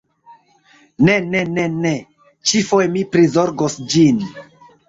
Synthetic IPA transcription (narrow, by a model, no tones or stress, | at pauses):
nenenene | t͡ʃifojmipɾizoɾɡosd͡ʒin